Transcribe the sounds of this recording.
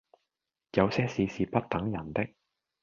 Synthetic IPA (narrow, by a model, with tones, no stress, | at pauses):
jɐ˨˧wsɛː˥siː˨siː˨pɐ˥t̚t̪ɐ˨˥ŋjɐ˨˩nt̪ɪ˥k̚